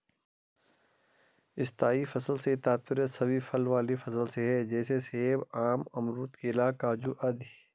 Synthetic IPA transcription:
ɪst̪aːifɐsəlset̪aːt̪ɪɾət̪sɐbifʰɐlʋaːlifɐsəlseɦɛd͡ʒɛːseseːbaːmɐmɾuːt̪kelaːkaːd͡ʒuʔɐd̪i

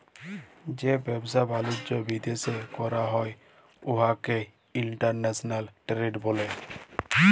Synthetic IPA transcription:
d͡ʒebɛbsabalud͡ʒɔbid̪esekɔɾaɦɔj | oɦake | iɳʈaɾnesɔnalʈɾeɖbole

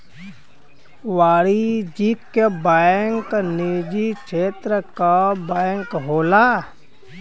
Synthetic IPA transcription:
ʋaːɽid͡ʒikbaŋknid͡ʒikʃʰeːt̪ɾəkabaŋkɦoːlaː

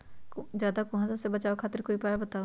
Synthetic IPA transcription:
d͡ʒjaːd̪aːkʊɦãːzasebət͡ʃaːokʰaːt̪əɾkoːiːpaːjbət̪aː

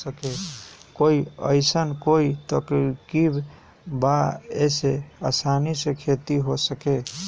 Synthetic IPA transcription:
səkekoiə̰ɪsənkoit̪əkkib | baeseasanisẽkʰet̪iɦosəke

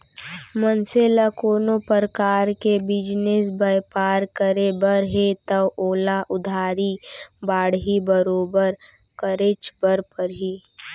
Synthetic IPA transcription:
mənseːlakoːnopəɾəkaːɾkebɪd͡ʒnesbəjpaːɾkəɾebəɾɦet̪əoːlaʔʊd̪ʱaːɾibaːɽɦibəɾoːbəɾkəɾet͡ʃbəɾpəɾɦiː

